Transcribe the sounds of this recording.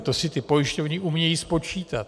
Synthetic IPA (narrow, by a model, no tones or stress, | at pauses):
t̪osɪt̪ɪpo̞jɪʃcovɲɪʔumɲɛjiːspo̞t͡ʃiːt̪at̪